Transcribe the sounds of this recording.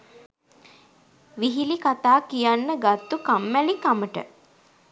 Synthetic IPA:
ʋiɦilikat̪aːkijanːəɡat̪ːukamːælikaməʈə̰

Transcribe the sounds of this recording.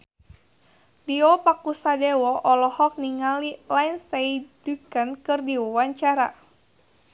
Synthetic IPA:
diɔpakusadɛwɔʔɔlɔhɔk̚niŋalilainsaidukənkɨrdiwɔwaɲt͡ʃaɾa

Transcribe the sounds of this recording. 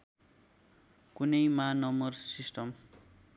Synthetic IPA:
kunʌjmanʌmʌrsisʈʌm

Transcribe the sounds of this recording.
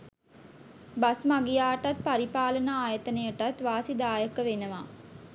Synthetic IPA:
basmaɡijaːʈat̪̚paɾipaːlənaaːjət̪ənəjəʈat̪ʋaːsid̪aːjəkəʋenəʋa

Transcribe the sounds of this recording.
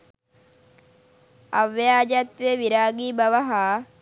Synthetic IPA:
aʋːjaːd͡ʒat̪ʋeʋiɾaːɡiːbaʋaɦaː

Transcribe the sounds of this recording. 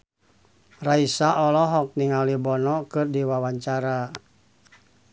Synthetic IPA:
raisaɔlɔɦɔk̚niŋalibɔnɔkɨrdiwawaɲt͡ʃaɾa

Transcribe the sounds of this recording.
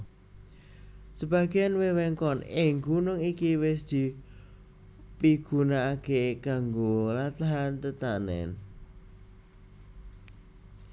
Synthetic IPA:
səba̤ɡeanwewɛŋkɔnɪŋɡunʊŋikiwɪsd̪̥i̤ | piɡ̥ṳnaːkekaŋɡolat̪aɦant̪ət̪anɛ̰n

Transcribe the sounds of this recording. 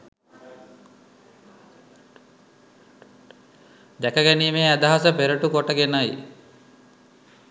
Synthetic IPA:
d̪ækəɡæniːmeːæd̪ɐɦasəpeɾəʈukoʈəɡenaj

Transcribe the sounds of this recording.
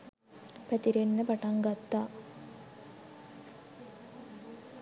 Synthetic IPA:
pæt̪iɾenːəpaʈaŋɡat̪ːa

